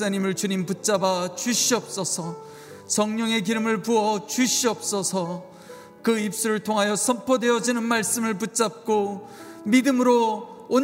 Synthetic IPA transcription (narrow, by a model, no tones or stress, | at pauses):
aɲimɯɭt͡ɕuɲimput̚t͡ɕ͈abat͡ɕuɕʰiʌp̚s͈ʌsʰʌ | t͡ɕʌŋɲoŋe̞kiɾɯmɯɭpuʌt͡ɕuɕʰiʌp̚s͈ʌsʰʌ | kɯip̚s͈uɾɯɭtʰoŋɦajʌsʰʌmpʰʌdwe̞ʌd͡ʑinɯnmaɭs͈ɯmɯɭput̚t͡ɕ͈ap̚k͈o | midɯmɯɾoːn